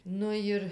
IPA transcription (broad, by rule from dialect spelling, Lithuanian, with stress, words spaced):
ˈnʊ jɪr